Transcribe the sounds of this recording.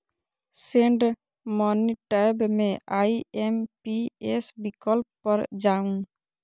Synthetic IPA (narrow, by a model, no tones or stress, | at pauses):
seɳɖ | mɔniʈajbmẽʔaiempiesbikɔlpːɔɾd͡ʒaũ